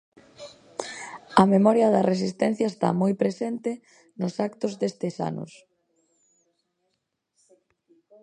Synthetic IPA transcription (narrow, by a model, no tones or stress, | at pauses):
ɐmemɔɾjɐðɐres̬ist̪ɛn̟θjɐest̪a̰mɔjpɾesent̪ɪ | nʊsakt̪ʊzðest̪esa̰nʊ̰s